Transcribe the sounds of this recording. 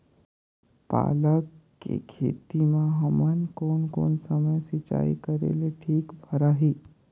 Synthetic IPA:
pa̰ːləkː | ḛkʰḛːt̪imãɦəmənkoːnko̰ːnsəməjsit͡ʃa̰ːḭkəɾḛleʈʰiːkbʱəɾaːɦiː

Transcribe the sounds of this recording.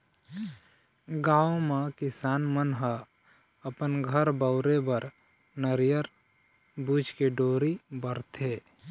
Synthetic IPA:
ɡaːomãkɪsaːnmənɦa | əpənɡʱəɾbəʊɾebəɾ | nəɾjəɾ | buːd͡ʒkeɖoːɾibəɾt̪ʰeː

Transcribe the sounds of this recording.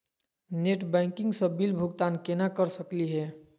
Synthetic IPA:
neʈbɛɪkɪ̃ŋɡsəbilbʱuɡt̪ankenakəɾsəkliɦɛ

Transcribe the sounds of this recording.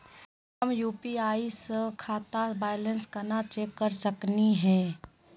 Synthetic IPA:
əmjuːpiaːisəkʰaːt̪abaːjlə̃nskɐnat͡ʃeːkːəɾsəkniɦɛ̃ː

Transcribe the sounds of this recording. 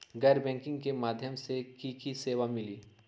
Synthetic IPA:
ɡɛːɾbɛ̃ːŋkɪ̃ŋɡkemaːd̪ʱjəmsekiːkiseːʋamɪliː

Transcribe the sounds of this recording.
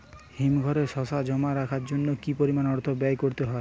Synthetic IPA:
himɡʱɔɾeʃɔsad͡ʑɔmaɾakʰaɾd͡ʑonːokipoɾimanɔɾt̪ʰobajkoɾt̪eɦɔe

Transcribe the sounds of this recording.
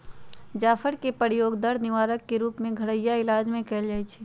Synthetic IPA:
d͡ʒaːfʰəɽkepəɾɪjoːɡd̪əɽnɪʋaːɾəkːeɾuːpmẽɡʱɐɽəjaɪlaːd͡ʒmẽkɛld͡ʒaːit͡ʃʰiː

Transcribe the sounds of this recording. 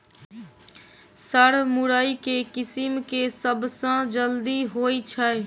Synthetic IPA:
səɽ̤mʊɾəikekɪsɪmkesəbsãd͡ʒəld̪iɦoːit͡ʃʰəɛ

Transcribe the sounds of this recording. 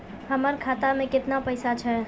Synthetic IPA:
həməɾkʰat̪amẽkɪt̪napəjsat͡ʃʰɛ

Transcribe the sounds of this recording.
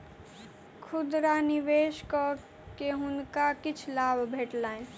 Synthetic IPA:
kʰud̪ɾaniʋeskə | keɦunkakit͡ʃʰlabʱbʱeʈlan

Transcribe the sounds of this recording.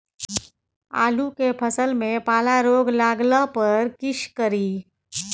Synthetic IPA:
a̰ːlukepʰəsəlmẽpaːlaɾoːɡlaːɡləpɐɾkɪʃkəɾiː

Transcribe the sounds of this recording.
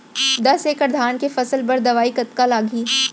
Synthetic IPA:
d̪ɐseːkɐəɾd̪ʱaːnkefɐsəlbɐɾd̪ɐʋaːikɐt̪kalaːɡʱiː

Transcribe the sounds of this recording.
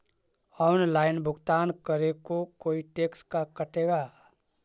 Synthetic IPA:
ɔʊnlaːɪnbʱʊɡt̪aːnkəɾekokoːiʈeːkskakəʈeɡaː

